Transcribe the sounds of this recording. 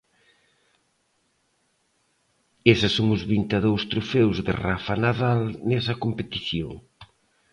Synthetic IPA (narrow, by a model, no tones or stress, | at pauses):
esɪsːoŋʊzβint̪eðowst̪ɾufewzðɪ̰rafanaðalnɛsɐkompet̪iθjo̰ŋ